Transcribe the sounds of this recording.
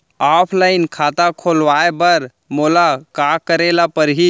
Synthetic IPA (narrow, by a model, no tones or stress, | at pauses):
aːpʰlaɪnkʰaːt̪akʰoːlʋaebəɾ | molakakəɾelapəɾɦi